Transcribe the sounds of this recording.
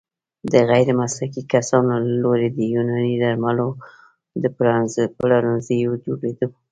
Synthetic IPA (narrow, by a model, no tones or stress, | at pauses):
d̪əɣajɾemasɾakikasɑnolaloɾed̪əjunanid̪aɾmalo | d̪əpɾanzplaɾanzəjod͡ʒoɽed̪ə